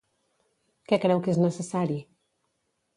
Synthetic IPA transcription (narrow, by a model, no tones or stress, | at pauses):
kɛkɾɛwkeznəsəsaɾi